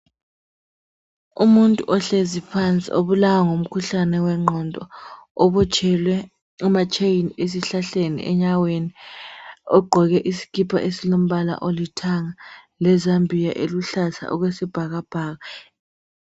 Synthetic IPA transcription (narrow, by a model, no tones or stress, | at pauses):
umuntʼṵʔɔɬezipʰant͡sʼḭʔoβulawaŋom̩kʰuɬanɛwɛŋ͡ǃʱɔndʱʼɔɔβut͡ʃʰʼɛlwɛ | umat͡ʃʰʼeines̬iɬaɬenḭʔɛ̰ɲaweni | ɔɡ͡ǃʱɔɣɛʔisi̥kʰipʰa̰ʔesilom̩βala̰ʔolitʰaŋa | lɛzambʱijaʔeluɬasa̰ʔɔɣwesib̥ʱaɣab̥ʱaːɣa